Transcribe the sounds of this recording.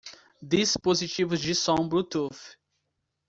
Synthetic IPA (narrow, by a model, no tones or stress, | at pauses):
d̪ispozit͡ʃivʊzd͡ʒɪsõbɾut̪uf